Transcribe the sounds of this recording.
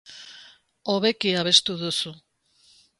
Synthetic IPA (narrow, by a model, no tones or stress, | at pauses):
oβe̞kiaβe̞st̪uðusu